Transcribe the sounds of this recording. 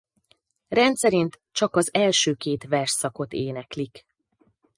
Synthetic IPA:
rɛnt̪sɛɾint̪ | t͡ʃɒkɒzɛlʃøːkeːt̪ʋɛrʃsɒko̞t̪eːnɛklik

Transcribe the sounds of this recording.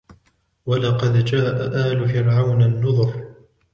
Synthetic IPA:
walɑqɑd̪d͡ʒaːʔaʔaːlʊfɪɾʕawnanːʊðˤʊf

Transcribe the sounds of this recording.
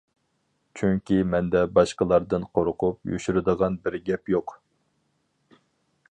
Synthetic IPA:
t͡ʃʰyŋkʲimɛnd̪ɛbɑʃqəlˠɑɾd̪ɨnqʰoɾqʰupjy̰ʃyɾɨd̪əʁɑnbɪɾɡʲɛpjoq

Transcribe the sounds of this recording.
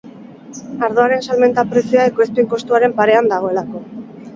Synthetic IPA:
aɾðo̞aɾe̞nsalme̞nt̪apɾe̞siaekoespeŋko̞st̪uaɾe̞mpaɾe̞and̪aɣ̞o̞e̞lako̞

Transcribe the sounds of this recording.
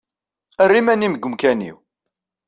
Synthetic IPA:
ərːimæniməɡʷːəmkænḭw

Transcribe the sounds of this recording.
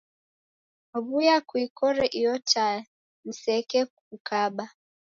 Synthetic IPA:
ɔβujakwikɔɾɛʔijɔta | m̩sɛkɛ | ukaɓa

